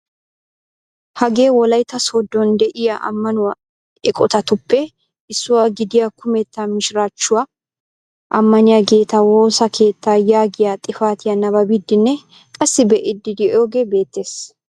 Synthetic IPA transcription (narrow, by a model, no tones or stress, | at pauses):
hɐɡe̞ːwɔlɐjt̪ːɐsod̪ːɔnd̪ɛʔɪjaʔɐ̰mːɐnʊwɐ | ɛkʼɔt̪ɐt̪ʊpːɛ | ɪsːʊwaɡɪd̪ɪjakʊmɛt̪ːamɪʃɪɾaːt͡ʃːʊwa | ʔɐmːɐnɪjaɡe̞ːt̪ːɐwo̞ːsɐkʰe̞ːt̪ːaːjaːɡɪjat̪ʼɪfaːt̪ɪjɐnɐbɐbid̪ːɪnːɛ | kʼɐsːɪbɛʔɪd̪ːɪd̪ɪʔoːɡeːbe̞ːt̪ːeːs